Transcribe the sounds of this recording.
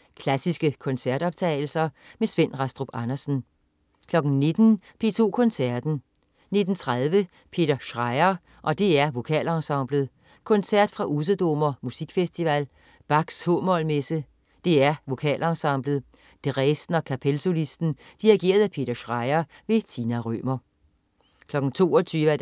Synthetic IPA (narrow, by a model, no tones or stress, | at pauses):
kʰlæsisɡ̥əkʰɒ̽nsæɐd̥ɒ̽b̥̚t͡sʰɛ̰ːɪl̩sɐmesʋen̰ʁɑ̈sd̥ʁob̥ɑnɐsn̩ | kʰlɒ̽ɡ̥n̩ne̝d̥n̩pʰe̝̰ːt͡sʰo̝̰ːkʰɔ̽nsæɐd̥n̩ | ne̝d̥n̩t͡sʰʁað̞ˠʋə | pʰe̝̰ːd̥ɐʃʁɑ̈ɪɐ | ʔɒ̽d̥e̝æɐʋo̝kʰɛ̰ːlɑ̈sɑ̈ʊ̰b̥lð̞ˠ | kʰɔ̽nsæɐ̰d̥fʁɑ̈ʔusəd̥ɔmɐmusiɡ̥fesd̥iʋæl | b̥ɑ̈ɡ̥shɔːmɒ̽lmesə | d̥e̝æɐʋo̝kʰɛ̰ːlɑŋsɑ̈ʊ̰b̥ləð̞̩ˠ | d̥eʁɛsn̩ɒkʰæpʰelso̝lisd̥n̩d̥iʁiɡ̥e̝̰ːɐðˠæpʰe̝̰ːd̥ɐɕʁɑɪɐ | ʋe̝t͡sʰiːnæʁø̰ːmɐ | kʰlɒ̽ɡ̥n̩t͡sʰo̝̰ːɒt͡sʰyːʋæ